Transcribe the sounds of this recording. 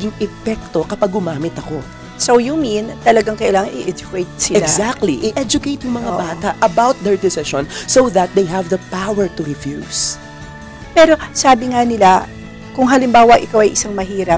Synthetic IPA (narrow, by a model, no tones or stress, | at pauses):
ɐɡiŋɛfɛk̚t̪o̞kɐpɐɡʊmaːmɪt̪ɐko̞ | sowjumĩnt̪ɐlɐɡaŋkɐʔɪlaːŋɐŋʔɪʔɛd͡ʒʊkejt̪̚sɪɛlaɡzak̚t̪liʔɪʔɛd͡ʒʊkejt̪jʊŋmɐŋabaːt̪ɐʔɐbawt̪̚d̪ɛɹd̪ɪsɪʃõnsowðɐt̪̚d̪ejɦɛvðɐpawɛɹt̪ʊɾɪfjṵːs | pɛːɾo̞saːbɪŋanɪla | kʊŋɦɐlɪmbaːwɐʔɪkawʔɐjʔɪsaŋmɐɦiːɾɐp̚